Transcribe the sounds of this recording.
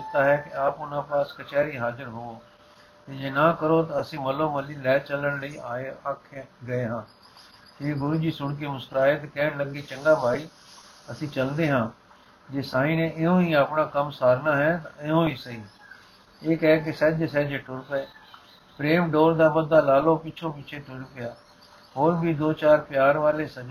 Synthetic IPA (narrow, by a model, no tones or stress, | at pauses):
ɪt̪ːaːɦɛːkɪaːpʊnãːpaːskət͡ʃɛːɾiːɦaːzəɾɦoːoː | t̪eːd͡ʒeːnãːkəɾoːt̪aːəsĩːməloːməliːlɛːt͡ʃələɳləiːaːeaːkʰeɡəeːɦãː | d͡ʒeːɡʊɾuːd͡ʒiːsʊɳk̬eːmʊst̪əɾaːeːt̪ekɛːɳləɡeːt͡ʃəŋɡaːbʱaːiː | əsĩːt͡ʃəld̪eːɦãː | d͡ʒeːsaːĩːnẽːʔɪõːĩːaːpɳaːkəmsaːɾnaːɦɛːt̪aɪõːiːsəi | eːkɛːk̬ɪsɛd͡ʒesɛd͡ʒeːʈʊɾpɛː | pɾeːmɖoːɾd̪aːbəd̪aːlaːlõːpɪt͡ʃʰõːpɪt͡ʃʰeːt̪ʊɽpɪjaː | hoːɾbiːd̪oːt͡ʃaːɾpɪjaːɾʋaːleːsəd͡ʒ